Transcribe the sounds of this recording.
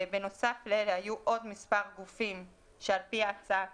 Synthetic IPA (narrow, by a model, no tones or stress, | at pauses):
beno̞saflelehajuʔo̞d̪mispaʁɡufim | ʃealpiat͡saa